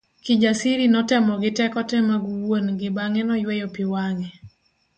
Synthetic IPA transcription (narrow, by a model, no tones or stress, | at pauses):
kid͡ʒasiɾinɔtɛmɔɡɪtɛkɔtɛmaɡwonɡɪbaŋɛnɔjwɛjopiwaŋɛ